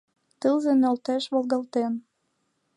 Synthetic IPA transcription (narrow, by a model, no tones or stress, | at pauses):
t̪əlzĕnɑlt̪æʃβolˠɣɑlt̪en